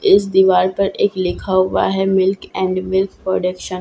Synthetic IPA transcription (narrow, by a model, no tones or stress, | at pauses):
ɪs̬d̪iʋaːɾpɐɾeːklɪkʰaɦʋa̰ɦɛmɪlkɛ̃ːɳɖmɪlkpɾoːɖəkʃən